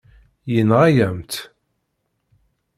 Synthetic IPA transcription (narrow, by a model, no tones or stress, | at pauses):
jənʁajæmt̪